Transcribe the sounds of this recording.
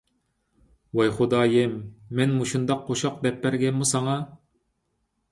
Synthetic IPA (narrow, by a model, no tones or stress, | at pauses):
wɑjχod̪ɑːjɪmːɛnmuʃund̪ɑqʰːoʃɑq̚d̪ɛp̚ːæɾɡʲɛnmusɑŋɑ